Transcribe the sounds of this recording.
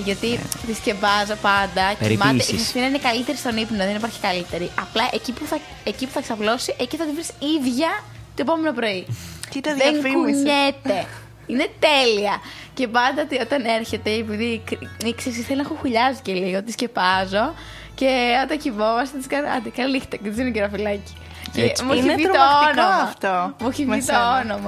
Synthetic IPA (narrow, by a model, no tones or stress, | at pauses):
ʝɐt̪it̪iscepɐzopɐnd̪ɐmɐeiisminɐinekɐlit̪eɾist̪o̞nipnoðenipɐɾçi̥kɐlit̪e̞ɾiʔɐplɐʔecipuθɐ | ecipu̥θɐeksɐplo̞siʔeciθɐt̪ivɾisiðʝɐ | t̪oepo̞me̞nopɾo̞iit̪ɐðeŋkuɲet̪e̞ | ine̞t̪e̞liɐ | ce̞pɐnd̪ɐt̪io̞t̪ɐne̞ɾçe̞t̪eepiðikiksessθelinɐxoxuʎɐsiceliɣot̪isce̞pɐzo̞ | ce̞o̞t̪ɐŋçivo̞mɐst̪et̪iskɐnɐ̰d̪ikɐlilixt̪ecet̪isineciɾɐfilɐci̥ | cemuiiɾt̪oonomɐft̪omuçiit̪oonomɐ